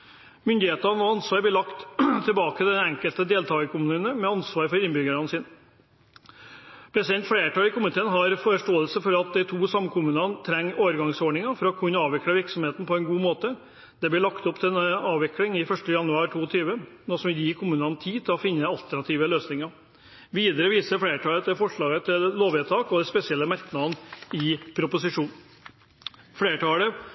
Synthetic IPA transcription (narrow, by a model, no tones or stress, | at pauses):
mʏnd̪ɪheːt̪ɑnɔɑnsʋɑːɾblɪɭɑkt̪t̪ʰɪlbɑːkəd̪ɛnɛŋkəlt̪əd̪eːlt̪ʰɑːɡəkʰʊmʉːnəmɛɑnsʋɑːɾfɔɾɪnbʏɡəɾɑnəsɪn | pʰɾɛsɪd̪ɛnt̪fleːʈɑːlɪkʰʊmɪt̪ʰeːənɦɑɾfɔɾəʂʈoːəlsəfɔɾɑt̪̚d̪æɪt̪ʰuːsɑmːkʰʊmʉːnɑnt̪ʰɾɛŋːoːʋəɾɡɑŋsoːɖɳɪŋɑfɔɾɔkʰʉnːəɑːʋɪkləʋɪɾksɔmheːt̪n̩pʰɔɛnɡuːmoːt̪ə | d̪̥ɛblɪɭɑkt̪ɔpt̪ʰɪɛnɑːʋɪklɪŋɪfœʂʈəjɑnʉɑːɾʈʰuːɔt̪ʰyːʋənɔsɔmj̪jiːkʰʊmʉːnɑnt̪ʰiːt̪ʰɪlɔfɪnːəɑlt̪ʰæɳɑt̪ʰiːʋəløːsnɪŋɑ | ʋiːd̪əɾəʋiːsəɾfɽeːʈʰɑːlət̪ʰɪfɔʂɭɑːɡət̪ʰɪlloːʋɛːt̪ʰɑːkɔd̪ɛspɛsɪɛlːəmæɾknɑnɪpʰɾʊpʊsɪʂuːn | fɽeːʈɑːlə